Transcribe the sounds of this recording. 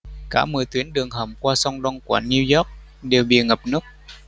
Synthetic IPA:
kaː˧˩mɨ˨˩t̪wi˨˦ənɗɨ˨˩əŋhə˧˩mkwaː˧sɔ˧wŋ͡mŋɗɔ˧ŋku˧˩ni˧wjɔ˦˥k̚ | ɗe˨˩wɓḭ˨˩ŋə˨˩p̚nɨ˦˥k̚

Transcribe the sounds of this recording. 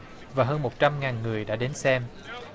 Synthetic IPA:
vaː˨˩ɦəː˧nmo˨˩t̚t͡ɕa˧mŋaː˨˩nŋɨ˨˩əjɗa̰ː˧˥ɗe˨˦nsɛ˧m

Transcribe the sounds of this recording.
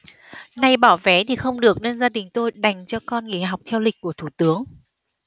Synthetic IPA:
na˧jɓaː˧˩wvɛ˨˦t̪ʰi˨˩xə˧wŋ͡mɗɨ˨˩ək̚ne˧nzaː˧ɗï˨˩ŋ̟t̪o˧jɗa˨˩jŋ̟t͡ɕɔ˧kɔ˧nŋḭ˧˨˩ɦa˨˩wk͡p̚t̪ʰɛ˧wlï˨˩k̟̚kːu˧˩ət̪ʰu˧˩t̪ɨ˨˦əŋ

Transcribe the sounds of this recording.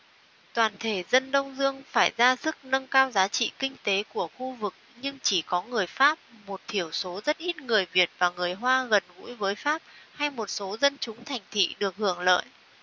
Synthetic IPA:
t̪waː˨˩nt̪ʰe˧˩zə˧nɗə˧wŋ͡mzɨ˧əŋfaː˧˩jzaː˧sɨ˦˥k̚nə˧ŋkaː˧wzaː˨˦t͡ɕḭ˧˨kï˧ŋ̟t̪e˨˦ku˧˩əxu˧vɨ˨˩k̚ɲɨ˧ŋt͡ɕi˧˩kɔ˨˦ŋɨ˨˩əjfaː˦˥p̚mo˨˩t̚t̪ʰi˧˩əwso˨˦zə˦˥t̚ʔi˦˥t̚ŋɨ˨˩əjvi˨˩ət̚vaː˨˩ŋɨ˨˩əjɦwaː˧ɣə˨˩nvṵ˧˥jvəː˨˦jfaː˦˥p̚ha˧jmo˨˩t̚so˨˦zə˧nt͡ɕʊ˨˦ŋ͡mt̪ʰa˨˩jŋ̟t̪ʰḭ˧˨ɗɨ˨˩ək̚hɨ˧˩əŋlə̰ː˧˨jʔ

